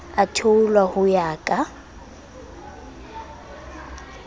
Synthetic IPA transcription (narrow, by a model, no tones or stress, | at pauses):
atʰoulwahʊjaːkʼa